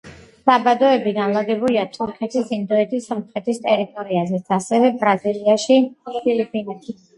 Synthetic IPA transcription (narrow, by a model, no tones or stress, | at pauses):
sabad̪ɔɛbiɡanlˠad̪ɛbuliat̪ʰɔɾχʰɛt̪ʰisind̪ɔɛt̪ʰisɔmχɾɛt̪ʰist̪ʼɛɾit̪ʼɔɾiazɛt̪sʰasɛvɛbɾaziliaʃipʰilipʼinɛt̪ʰi